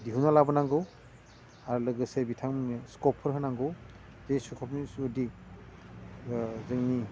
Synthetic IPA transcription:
diɦunalabɔnaŋɡɯw | aɾlɯɡɯsebitʰaŋskɔpʰːɯɾɦɯnaŋɡɯw | z̥ejsukʰɔp̚nisudi | zɯŋni

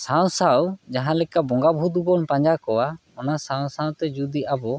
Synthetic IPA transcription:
saw̃sawd͡ʒaɦãlɛkabɔŋɡabʱud̪ubɔnpaɲd͡ʒakɔwa | ɔnasaw̃sawt̪ɛd͡ʒud̪iʔabɔ

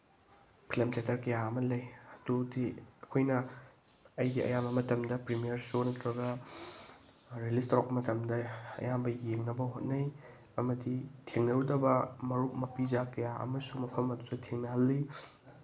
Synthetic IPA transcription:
pʰilɐmtetɐɾkɐjaɐmɐlɐjɐdudiɐkʰojnɐ | ɐjɡiɐ̰jambɐmɐtɐmdɐpɾimijɐɾsonɐtɾɐɡɐ | ɾelistawk̚pːɐmɐtɐmdɐɐ̰jambɐjeŋnɐbɐɦot̚nɐj | ɐmɐditʰeŋnɐɾudɐbɐmɐɾuk̚mɐpid͡ʒakɐjaɐ̰mɐsumɐpʰɐmɐdutɐtʰeŋnɐhɐlːi

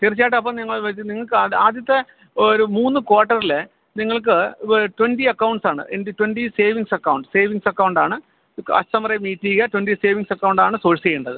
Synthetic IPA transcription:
t̪irit͡ɕːaːjʈ̬ːɨɐpːɐmniŋːɐɭʋɐt͡ɕːɨniŋːɐɭkɨaːd̪jɐt̪ːe | oɾumuːnːɨkwaːʈːɐrile | niŋːɐɭk̬ɨʈwenɖiɐkːɐwuɳɖsaːɳɨ̰ʔendetwenɖiseːʋiŋsɐkːɐwuɳɖseːʋiŋsɐkːɐwɳɖaːɳɨ | ɐ̰st̪ɐmɐrɐmiːtːiːɣɐtwenɖiseːʋiŋsɐkːɐwuɳɖaːɳɨsoːɻsiejuɳɖɐðɨ

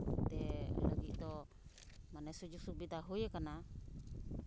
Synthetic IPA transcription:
t̪ɛlaɡiʔt̪ɔ | manesud͡ʒusuk̚bit̪aɦujekana

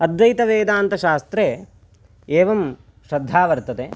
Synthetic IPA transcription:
ɐd̪jɐjt̪ɐʋeːd̪aːnt̪ɐʃaːst̪ɾeː | eːʋɐm | ʃɾɐd̪ʱːaːʋɐɾt̪ɐt̪e

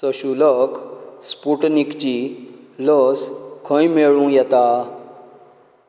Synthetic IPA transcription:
səɕuləkspuʈnikt͡ɕiləskʰə̃jmeɭũjɛt̪a

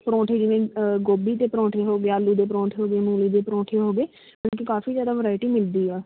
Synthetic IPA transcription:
pɾɔ̃ːʈʰeːd͡ʒɪʋẽːɡoːbiːt̪eːpɾɔ̃ːʈʰeːɦoːɡeaːlːuːd̪eːpɾɔ̃ːʈʰeːɦoːɡeːmuːliːd̪eːpɾɔ̃ːʈʰeːɦoːɡeː | nãːkikaːfiːzjaːd̪aːʋəɾaːɪʈiːmɪld̪iːɛː

